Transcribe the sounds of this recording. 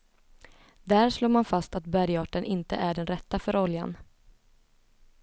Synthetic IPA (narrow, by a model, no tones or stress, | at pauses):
d̪æːɾʂloːmanfast̪at̪̚bæɾjɑːʈənʔɪnt̪ə̰ʔæɖɛnɾɛt̪ːafœɾɔlja̰n